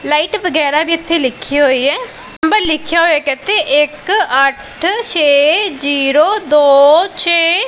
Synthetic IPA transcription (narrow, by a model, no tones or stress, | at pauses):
laːiːʈʋəɡɛːɾaːbʱiːɪt̪ʰːeːlɪkʰːiːɦoːiːɦɛː | nəmbəɾlɪkʰjaːɦoːjɛːkɪt̪ʰeːʔɪkəʈʰt͡ʃʰeːd͡ʒiːɾoːd̪oːt͡ʃʰeː